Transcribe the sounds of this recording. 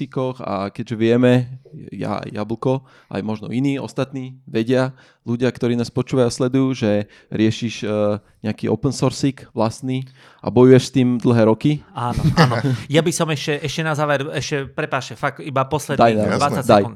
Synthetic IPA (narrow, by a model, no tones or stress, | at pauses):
ikɔxa̰kɛɟʒɛʋɪɛmɛja̰ja̰bl̩kɔ | ʔa̰jmɔʒnɔ̰iniːɔ̰st̪at̪niːʋɛɟɪa | luɟɪakt̪ɔɾiːnaːspɔt͡ʃuːʋajaslɛd̪ujuːʒɛ | ɾɪɛʃiʃ | ɲɛakiːɔ̰pɛnsɔɾsikʋlast̪niː | ʔa̰bɔjujɛʃst̪iːmd̪l̩ɦɛːɾɔkiaːnɔʔaːnɔjabisɔmɛʃcɛʔɛʃcɛnazaːʋɛɾɛʃcɛpɾɛpaːʃɛfak̚ibapɔslɛd̪d̪ajnaaadsajn